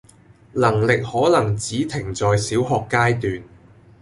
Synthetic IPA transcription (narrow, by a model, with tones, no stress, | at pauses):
lɐ˨˩ŋlɪ˨k̚hɔː˨˥lɐ˨˩ŋt͡siː˨˥t̪ʰɪ˨˩ŋt͡sɔː˨˧jsiː˨˥wɦɔː˨kːaː˥jt̪yː˨n